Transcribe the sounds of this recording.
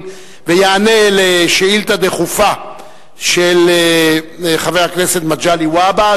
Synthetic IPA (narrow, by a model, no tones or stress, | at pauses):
vejaːneleʃeilt̪ad̪eχufa | ʃel | χavehakne̞se̞t̪mad͡ʒaliwaba